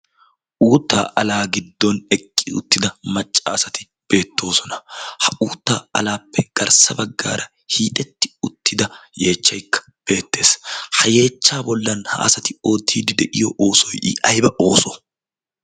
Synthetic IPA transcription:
ʔuːt̪ːa̰ːʔɐlaːɡɪd̪ːɔnɛkʼːɪʊ̰t̪ːɪd̪ɐmɐt͡ʃʼːaːsɐt̪ɪ | b̥e̞ːt̪ʰːo̞ːsɔnɐhɐʔuːt̪ːaːɐ̰laːpːɛɡ̥ɐɾsɐbɐɡːa̰ːɾɐ | hiːt̪ʼɛt̪ːɪ̥ʊt̪ʰːɪd̪ɐje̞ːt͡ʃːɐjkːɐ̥ | b̥e̞ːt̪ːe̞ːshɐje̞ːt͡ʃːaːbɔlːɐnhɐ̰ʔɐ̰sɐt̪ɪo̞ːt̪ːiːd̪ɪd̪ɛʔɪjɔʔo̞ːsɔjɪ̰ʔɐjbɐʔo̞ːsɔ̥

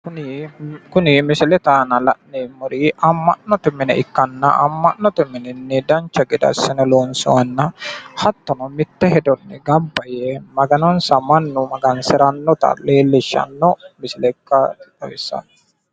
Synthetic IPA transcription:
kʊnɪkʊnɪmɪsɪlɛt̪aːnɐlɐ̰ʔnɛmʊɾiːɐmːɐ̰ʔnːɔt̪ɪmɪnɛɪkːɐnːɐʔɐ̰mːɐʔnːɔt̪ʊmɪnɪnːɪd̪ɐnt͡ʃːɐɡɪd̪ɐ̰sːɪnɐloːnsɔ̰ɐnːɐhɐt̪ːɔnɔmɪt̪ːɛhɛd̪ɔnːɪɡɐbːɐjɛmɐɡɐnɔnsɐmɐnːʊmɐɡɐnsɪɾɐnːɔt̪ɐ̰leːlːɪʃːɐ̰nːɔmɪsɪlɛkːɐt̪ɐwɪsːɐ̰n

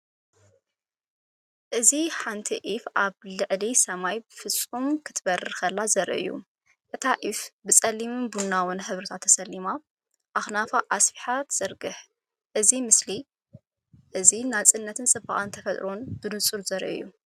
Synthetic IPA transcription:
ʔɨziħant̪ʰiʔifʔaβlɨʕlisɐmajbɨfɨt͡sʼːumkʰɨt̪ʰbɐrɨxɐlːazɐɾʔɨ̰jːṵ | ʔɨt̪ʰaʔifbɨt͡sʼɐlːimɨnbunːawʊnħɨβɾɨt̪ʰat̪ʰːɐsɐlːima | ʔaxnafaʔasfiħat̪z̥ɐɾɡɨħ | ʔɨzimɨsli | ʔɨzinat͡sʼɨnːɐt̪ʰɨnt͡sʼɨba̰ʔʼant̪ʰɐfɐt̪ʼɾo̞nbɨnɨt͡sʼuɾzɐɾʔɨ̰jːṵ

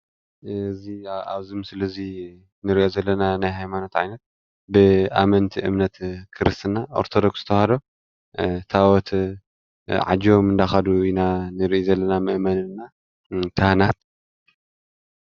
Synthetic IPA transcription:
zia̰βzimsɨlɐzi | nɨɾiʔo̞zɐlːɐnanajɦajmanot̪ʕa̰jnɐt̪̚ | bɨʔa̰mɐnt̪ʰiʔɨmnɐt̪kʰɨɾɨst̪ɨnao̰ɾt̪ʰod̪o̞ksɨt̪ʰɐwhad̪o̞ | t̪ʰawɔt̪ | ʕa̰d͡ʒomɨnd̪axad̪uinanɨɾiʔizɐlːɐnamɨʔmɐnɨnːa | t̪ʰahnat̪̚

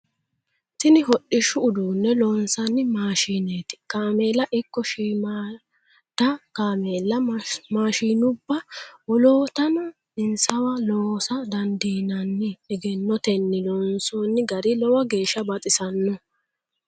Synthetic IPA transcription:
t̪ɪnɪɦɔɗːɪʃːʊːd̪uːnːɛlɔːnsɐnːɪmaːʃiːneːt̪ɪ̥kaːmeːlɐʔɪkːɔʃiːma | t̪ːɐkaːmeːlːɐmaːʃiːnʊbːɐwɔloːt̪ɐnɐ | ɪnsɐwɐloːsɐd̪ɐnd̪iːnɐnːɪɛɡɛnːɔt̪ɛnːɪlɔnsoːnːɪɡɐɾɪlɔwɐɡe̞ːʃːɐbɐt̪ʼɪsɐnːɔ

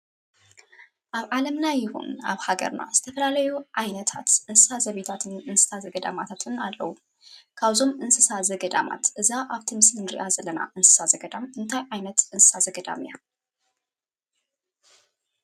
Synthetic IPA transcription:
ʔaβʕalɐmnajɪhṵna̰βhaɡɐ̰ɾna̰zɨt̪ʰɐfɐlalɐjuʕajnɐt̪ʰa̰t̪ʔɨnsɨsazɐβet̪ʰat̪ʰɨnɨnsɨ̥sazɐɡɐd̪a̰mat̪ʰat̪ʰɨnalːɐ̰wu | kʰaβzo̞mʔɨnsɨsazɐɡɐd̪ama̰t̪ʔɨzaʔaβt̪ʰimɨslɨnɾḭʔazɐlːɐna̰ʔɨnsɨ̥sazɐɡɐd̪amɨnt̪ʰajʕajnɐt̪ɨnsɨ̥sazɐɡɐd̪a̰mija

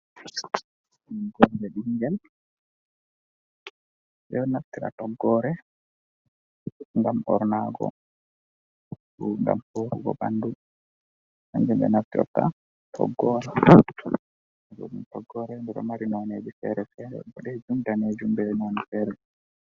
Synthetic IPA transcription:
ɡɔɾbɛɗiŋɡɛl | ʔɛnaftiɾa̰tɔɡːɔɾɛ | ŋɡamɔ̰ɾnaɡɔ̰ | uŋɡa̰mfoɾuɡɔ̰ba̰ndu | haŋd͡ʒɛmbɛ̰naftiʔɔ̰tːa̰ | tʰɔ̰ɡːɔɾɛ | ɡɔ̰ɗumtɔɡːɔɾɛndɛɗɔ̰maɾinɔned͡ʒifɛ̰ɾɛfɛɾɛ̰bɔɗɛd͡ʒumdaned͡ʒumbɛɛnɔnifɛɾɛ

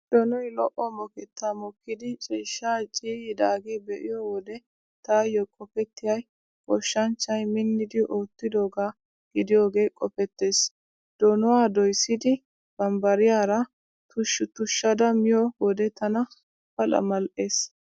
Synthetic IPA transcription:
d̪̥ɔnɔjlɔʔɔmɔkɛt̪ːamɔkːɪd̪ɪt͡ʃʼiːʃːaːt͡ʃʼiːjɪd̪aːɡeːbɛʔɪjɔwɔd̪ɛ | t̪aːjɔkʼɔpɛt̪ːɪjɐj | kʼɔʃːɐnt͡ʃːɐjmɪnːɪd̪ɪʔoːt̪ːɪd̪oːɡaː | ɡ̥ɪd̪ɪjoːɡe̞ːkʼɔpɛt̪ːeːs | d̪̥ɔnʊwaːd̪ɔjsːɪd̪ɪ | b̥ɐmbɐɾɪjaːɾɐ | t̪ʊʃːʊt̪ʊʃːɐd̪ɐmɪjɔwɔd̪ɛt̪ɐnɐ | fɐlɐ̰mɐlʔeːs

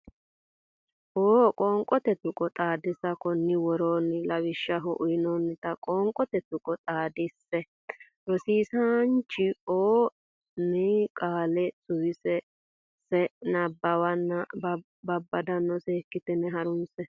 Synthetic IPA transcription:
ʔoːkʼoːŋkʼɔt̪ɛt̪ʊkʼɔt̪ʼaːd̪ɪsɐkɔnːɪwɔɾoːnɪlɐwɪʃːɐɦɔʔʊjɪnɔnːɪt̪ɐkʼoːŋkʼɔt̪ɛt̪ʊkʼɔt̪ʼaːd̪ɪsːɛ | ɾɔsiːsant͡ʃːɪoː | nɪkʼaːlɛsʊwɪsɛ | sɛnɐbːɐwɐnːɐ | bɐbːɐd̪ɐnːɔsɛːkːɪt̪ɛnɛɦɐɾʊnsɛ

